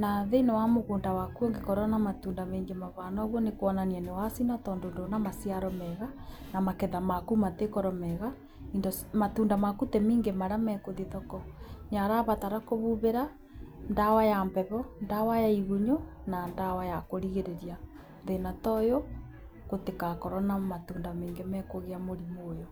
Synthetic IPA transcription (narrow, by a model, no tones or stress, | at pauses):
naðenɔwamoɣoːndawakuoŋɡekɔɾɔnamatuːndameːŋɡemaβanɔɣwɔnekoɔnaniɛnewasinatɔːndondonamasiaɾɔmɛɣa | namakɛðamakumatekɔɾɔmɛɣa | indosmatuːndamakutɛmiːŋɡemaɾamɛkoðiðɔkɔɲaɾaβataɾakoβuβeɾa | ndawajambɛβɔndawajaiɣuɲonandawajakoɾiɣeɾeɾja | ðenatɔjo | kotekakɔɾɔnamatuːndameːŋɡemɛkoɣeamoɾimoːjo